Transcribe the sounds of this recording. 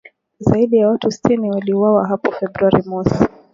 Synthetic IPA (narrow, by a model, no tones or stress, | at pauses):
zaiɗijawatusi̥tiniwaliuwawaɦapɔfɛbɾuaɾimɔsi